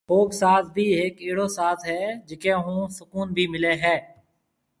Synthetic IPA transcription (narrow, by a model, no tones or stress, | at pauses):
xoːbsaːt̪bʱiːɦɪːkɪɦɪɽoːsaːt̪ɦɛːd͡ʒɪkẽːɦũːsʊkuːnbʱiːmɪleːɦɛː